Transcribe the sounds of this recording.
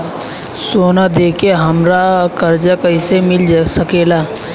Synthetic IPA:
soːnad̪eːkeɦɐmɾakɐɾd͡ʒakəɪsemɪlsəkeːlaː

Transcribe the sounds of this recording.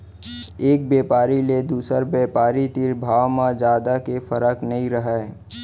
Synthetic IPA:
eːk̚bjeːpaːɾiled̪uːsəɾbeːpaːɾit̪iɾbʱaːwmãd͡ʒjaːd̪akefəɾəknɐɦĩɾəɦɛ

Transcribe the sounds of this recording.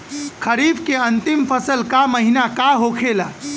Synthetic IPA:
kʰəɾibkeənt̪impʰəsəlkaməɦinakaɦokʰela

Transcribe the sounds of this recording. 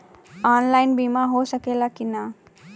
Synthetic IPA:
aːnlajnbimaɦosəkelakina

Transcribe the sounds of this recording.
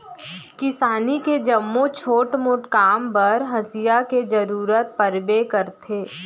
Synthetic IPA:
kɪsaːniked͡ʒɐmːot͡ʃʰoːʈmʊʈkaːmpɐɾɦɐsijaked͡ʒɐɾuːɾət̪̚pɐɾbekəɾt̪ʰeː

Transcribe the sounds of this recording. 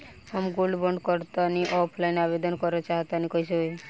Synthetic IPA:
amɡulɖbɔɳɖkɔɾt̪aniʔɔpʰlainabed̪ɔnkɔɾɔt͡ʃaɦt̪anikɔisɔe

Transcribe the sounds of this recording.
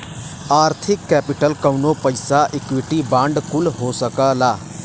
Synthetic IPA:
aːɾt̪ʰɪkːɛːpɪʈəlkɐʊnopəɪsaʔɪkwɪʈibãːɳɖkʊlɦoːsəkəlaː

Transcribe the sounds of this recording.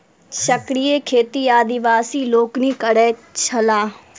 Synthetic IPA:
ʃəkɾijekʰeːt̪iaːd̪ɪʋaːsiːloːknikəɽɛːt͡ʃʰɐlaː

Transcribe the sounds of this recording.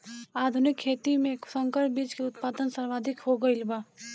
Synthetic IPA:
aːd̪ʱʊnɪkʰːeːt̪imẽksəŋkəɾbiːt͡ʃkeʊt̪paːd̪ənsəɾʋaːd̪ʱɪkɦoɡəɪlba

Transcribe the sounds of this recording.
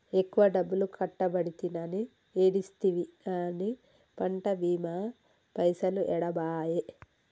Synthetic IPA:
ekːuʋɐɖɐbːulukʰɐʈːɐbɐɽit̪inɐni | eːɽist̪iʋiani | pɐɳʈɐbiːma | pɐjsɐluʔɛɽɐbaːje

